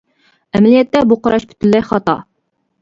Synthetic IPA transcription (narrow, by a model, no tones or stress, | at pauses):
ɛmɛlijɛt̪ːɛbuqʰɑɾɑʃpʰy̥t̪ʰylːɛjχɑt̪ɑ̰